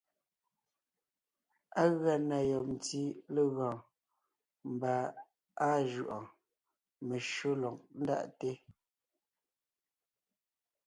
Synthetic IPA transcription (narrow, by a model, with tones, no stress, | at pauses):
a˦ɣɰa˨na˨jɔ˨p̚n˨ti˦le˦ɣɔ̃ː˨ | m˨ba˨ | a˦ʒu˨ʔɔ̃˨ | me˨ʃo˦lɔ˨k̚n̩˦da̰˦ʔte˦